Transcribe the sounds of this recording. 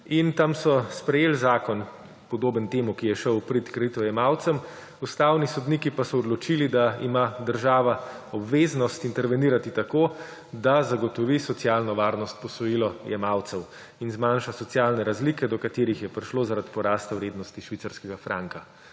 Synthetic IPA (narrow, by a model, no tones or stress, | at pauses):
int̪amsɔspɾɛjeːlzaːkɔn | pɔd̪oːbənt̪eːmukijɛʃəwpɾit̪kɾɛit̪ʋɔjɛmawt̪sɛm | ust̪aːwnisɔd̪nikipasɔːd̪lɔt͡ʃilid̪aimad̪əɾʒaːʋa | ɔbʋeːznɔst̪int̪ɛɾʋɛniːɾat̪it̪akoː | d̪azaɡɔt̪ɔʋisɔt̪sjaːlnɔʋaːɾnɔst̪̚pɔsɔjilɔjɛ̰mawt̪sɛw | inzmanʃasɔt̪sjalnɛɾazlikɛd̪ɔkat̪eːɾixjɛpɾiʃlozaɾad̪pɔɾaːst̪awɾeːd̪nɔst̪iʃʋit̪saɾskɛɡafɾa̰ŋka